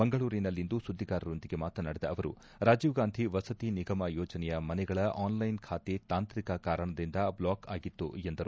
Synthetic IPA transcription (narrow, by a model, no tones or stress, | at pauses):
bɐŋɡɐɭuːɾinɐlːind̪usud̪ːiɡaːɾɐɾo̞nd̪iɡe̞maːt̪ɐnɐːɽɛd̪ɐɐʋɐɾṵ | ɾaːd͡ʒiːʋɡaːnd̪ʱiʋɐsɐt̪iniɡɐmɐjoːd͡ʒɐnɛjɐmɐnɛɡɐɭɐʔaːnlɐjnkʰaːt̪et̪aːnt̪ɾikɐkaːɾɐɳɐd̪ind̪ɐblaːkaːɡit̪ːṵend̪ɐɾu